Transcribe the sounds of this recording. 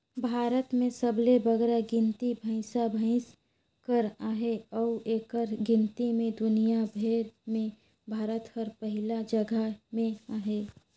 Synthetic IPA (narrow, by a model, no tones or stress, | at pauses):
bʱaːɾət̪mẽsəblebəɡɾaɡɪ̃nt̪ibʱə̃ɪ̃sabʱə̃ɪ̃s | kəɾaːɦeɔːeːkəɾɡɪ̃nt̪imẽd̪ʊnijabʱeːɾmẽ | bʱaːɾət̪həɾpəɦɪlad͡ʒəɡʱamẽaːɦeː